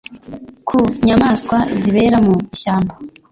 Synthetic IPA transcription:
kʰuɲamaːskwaiziβe̞ɾamumiʃaːmba

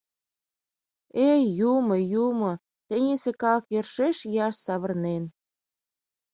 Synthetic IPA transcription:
ejuməjumo | t̪ĕnʲisĕkɑləkjørʃeʃjɑʃsɑβə̆rnen

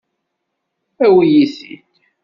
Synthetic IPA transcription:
æwijiθḭt̪

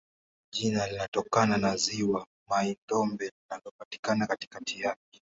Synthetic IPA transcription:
ʄinalinatɔkananaziwa | maindɔmbɛlinalɔpati̥kanakati̥katʰijap̚ɛ

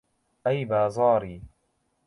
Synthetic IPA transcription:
ʔajbaːzˤɑːɾiː

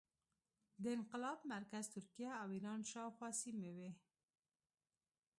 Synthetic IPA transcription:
d̪əɪnqɪlɑbmaɾkazt̪ʊɾkijaːwiɾɑnʃɑxwɑsimewe

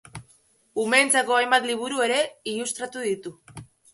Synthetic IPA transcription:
umeːnt͡sako̞ajmbat̪liβ̞uɾue̞ɾe̞ilust̪ɾat̪uðit̪u

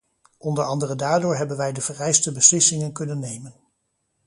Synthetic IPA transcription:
ʔɔndəɹɑndərəndaːɹdʊːɹɦɛbənʋɛjdəv̥ərɛjstəbəslɪsɪŋənkɵnənːejmən

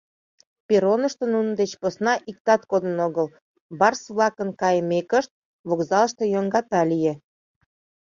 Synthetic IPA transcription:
peɾonəʃt̪onunəd̪et͡ɕposnɑʔik̚t̪ɑt̪kod̪ənoɣəl | bɑrsβlɑkənkɑjəmekəʃt̪̚ | βokzɑləʃt̪ojoŋɡɑt̪ɑlije

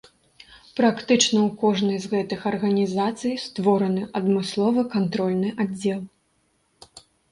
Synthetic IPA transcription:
pɾakt̪ɨt͡ʂnɐwkɔʐnɐjzɣɛt̪ɨxɐrɣɐnʲizat̪sɨjst̪vɔɾɐnɨʔɐd̪mɨslˠɔvɐkant̪ɾɔlʲnɨʔadd͡zʲːɛlˠ

